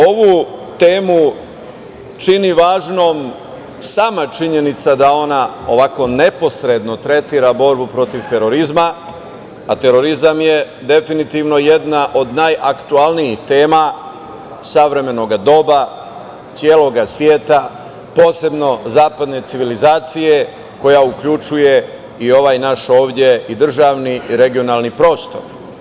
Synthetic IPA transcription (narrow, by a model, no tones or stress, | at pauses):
o̞ʋut̪eːmu | t͡ʃiniʋaːʒno̞ːm | saːmat͡ʃiɲe̞nit̪sad̪ao̞nao̞̰ʋako̞ne̞po̞sɾe̞d̪no̞t̪ɾe̞t̪iɾabo̞ɾbupɾo̞t̪iʋt̪e̞ɾo̞ɾizma | at̪e̞ɾo̞ɾizamje̞ | d̪e̞finit̪iʋno̞jed̪naʔo̞d̪naːjʔakt̪ualniixt̪e̞ːma | saʋɾe̞me̞no̞ɡad̪o̞ba | t̪sjeːlˠo̞ɡasʋje̞ːt̪a | po̞ːse̞bno̞zaːpad̪ne̞t̪siʋilizaːt̪sije̞ | ko̞jaukʎut͡ʃuje̞ | io̞ʋaːjnaʃo̞ːʋd̪ʲje̞id̪r̩ʒaːʋniiɾe̞ɡio̞naːlnipɾo̞ːst̪o̞̰ɾ